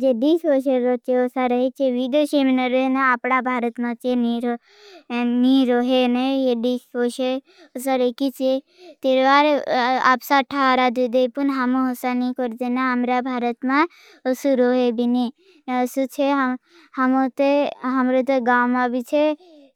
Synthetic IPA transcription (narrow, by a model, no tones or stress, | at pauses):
d͡ʒeɖisɦoːʃ̬eɾot͡ʃʰeosaɾəɦet͡ʃʰeʋid̪oʃemnəɾenaapɽabʱaːɾət̪mãt͡ʃeniɾo | niɾoɦenejeɖisɦoʃe | osaɾekit͡ʃʰe | t̪eːɾʋaːɾa̰psaʈʰaɾad̪ud̪epunɦamõɦosanĩkoɾd̪enãɦəmɾabʱaːɾət̪mã | əsuɾoɦebʱini | əsut͡ʃʰeɦ | hɐmot̪eɦɐmɾot̪oɡaːwmãbit͡ʃʰe